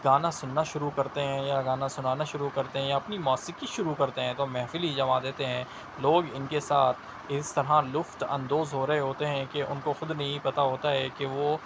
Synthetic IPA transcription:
ɡaːnasʊnːaʃʊɾukɐɾt̪eɦɛ̃jaɡaːnasʊnaːnaʃʊɾukɐɾt̪eɦɛ̃jaɐpnimɔːsɪkiʃʊɾukɐɾt̪eɦɛ̃t̪omɛːfɪlid͡ʒɐmad̪eːt̪eɦɛ̃ː | loːɡɪnkesaːt̪ʰ | ɪst̪ɐɾɦalʊfʈɐ̰̃nd̪oːzɦoːɾɐɦeɦoːt̪eɦɛ̃keʔʊ̰nkoxʊd̪nɐɦĩpɐt̪aɦoːt̪aɦɛkeʋoː

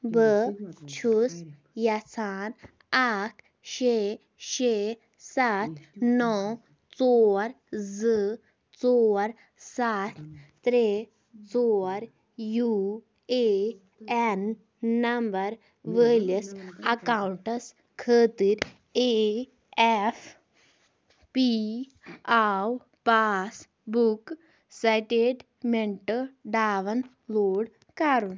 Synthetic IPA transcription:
bət͡ʃʰus | jat͡sʰaːn | aʈʰ | ɕe | ʃe | sat̪ʰnɔw | t͡sɔɾ | d͡zə | t͡sɔɾ | sat̪ʰt̪ɾe | t͡sɔɾ | ju | e | enː | ɐmbɐɾ | ʋəːliɐsɐkawuɳʈɐs | kʰəːt̪iɾ | e | efʰ | pi | aw | paːs | buk | sajʈeɖ | meɳʈəɖaːʋɐn | loːɽ | kaːɾun

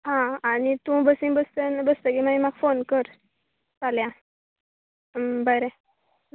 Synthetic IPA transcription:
ɦãañit̪ũbəsĩŋbəst̪ənbəst̪əkimaimaɡfonkəɾ | t͡saljã | bəɾe

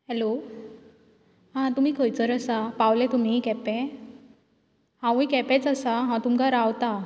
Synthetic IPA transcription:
hɛlo | ɦãt̪um̤iːkʰəjt͡səɾəsapawlɛ̃t̪um̤ikɛpɛ | hãwĩkɛpɛt͡sasaɦãt̪umkaɾawt̪a

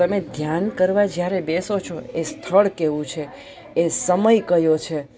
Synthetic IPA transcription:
əmed̪ʱjankəɾʋad͡ʒjaɾebesot͡ʃʰoest̪ʰəɭkeʋũt͡ʃʰeː | səməjkəjot͡ʃʰe

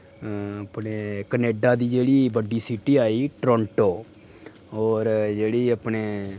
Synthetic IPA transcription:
əpneːkəneːɖaːd̪iːd͡ʒeːɽiːbəɖiːsiːʈiːaːiːʈɾɔ̃ːɳʈoː | ɔːɾd͡ʒeːɽiːəpɳeː

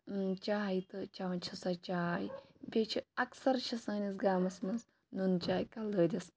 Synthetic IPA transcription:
t͡ʃaːjt̪ɨt͡ʃaʋɐnt͡ʃʰɐsɐt͡ʃaːjbʲet͡ʃʰiɐksɐɾʃʰɐsɐːnis̬ɡaːmɐsmɐnz | nunt͡ʃaːjkɐld̪əːd̪ʲis

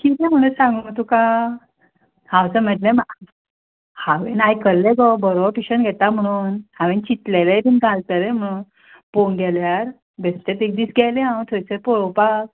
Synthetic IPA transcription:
kit̪ẽm̤əɽ̃usãŋɡuŋɡət̪uka | hãwt͡səm̤ɛʈlẽm | haʋenajkəɾleɡɔbəɾoʋɾpiɕənɡʱɛt̪am̤əɽ̃uːnhaʋent͡ɕit̪lelejd̪inɡʱalt̪əɾem̤əɽ̃uːn | ponɡʱɛljaɾ | best̪et̪ek̚d̪iːsɡɛleɦãw̃t̪ʰojsəpɔɭowpak

